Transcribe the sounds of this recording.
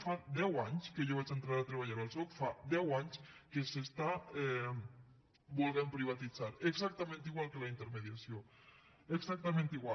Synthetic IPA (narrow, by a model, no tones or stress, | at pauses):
fad̪ɛwaɲskəʒoβat͡ʃənt̪ɾaɾat̪ɾeβ̞aʎaɾalˠsɔt̪fad̪ɛwaɲskesest̪aɛ | bulˠɣempɾiβ̞at̪id͡zaɾeɡzak̚t̪əmẽnt̪iɣwalˠkələint̪əɾmeðiasio | eɡzak̚t̪əmẽnt̪iɣwa